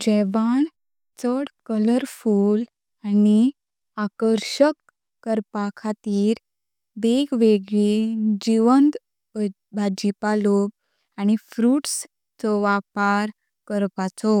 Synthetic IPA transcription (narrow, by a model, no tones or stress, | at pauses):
d͡ʑɛʋaɳ | t͡səɽkələɾfuːl | ani | akəɾɕəkː | əɾpakʰat̪iːɾ | beɡʋeɡɭid͡ʑiʋənt̪ | bʱad͡ʑipalob | añifɾuːʈs | t͡sɔʋapaɾ | kəɾpat͡sɔ